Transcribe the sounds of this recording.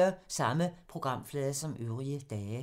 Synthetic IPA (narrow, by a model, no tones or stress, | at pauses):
ɐsɑ̈məpʰʁo̝ɡ̥ʁɑ̈m̰flɛːðˠɐsɒ̽mʔøʊʁiəd̥ɛː